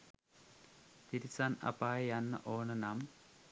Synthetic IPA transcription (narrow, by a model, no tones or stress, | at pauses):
t̪iɾisanɐ̰paːjanːɐ̰ʔoːnɐnam